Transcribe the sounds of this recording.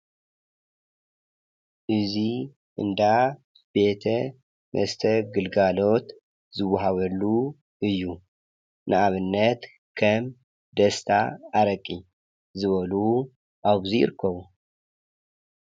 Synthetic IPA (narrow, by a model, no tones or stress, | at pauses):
ʔɨzi | ʔɨ̰nd̪a | b̥e̞t̪ʰɐ | mʔɐ̰st̪ʰɐɡɨlɡalo̞t̪ | zɨwːaɦaβɐlːu | ʔɨjːu | nʔɨʔaβɨnːɐt̪ | kʰɐm | d̪ɐst̪ʰaːɾɐkʼːi | zɨβɐlu | ʔaβzijɪ̰ɾkʰːɐβu